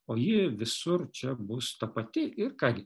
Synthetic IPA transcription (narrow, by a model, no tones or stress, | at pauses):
oːjɪʋʲɪsʊɾt͡ʃʲɛbʊst̪ɐpɐt̪ʲɪɪrkɑːɡʲɪ